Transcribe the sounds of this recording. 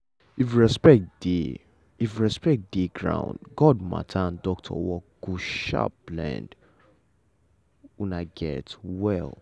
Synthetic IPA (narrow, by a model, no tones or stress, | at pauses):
ifɹɛspɛk̚td̥e | ifɹɛspɛk̚t̚d̥eɡɹã̰ʊ̃ndɡɔd̚ma̰tʰaãndɔk̚tʰɔ̰wɔɡ̥uʃa̰plɛ̰̃nd | unaɡɛtwɛlˠ